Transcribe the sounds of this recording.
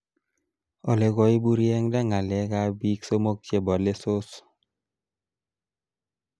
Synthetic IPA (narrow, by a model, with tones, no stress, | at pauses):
ɔ˨le˨ɡɔ˦i˦bu˦ɾjɛ˦ŋda˦ŋa˨lɛ˨˦ka˦bi˦kso˦mo˦k̚t͡ʃje˦bɔ˨le˦so˦s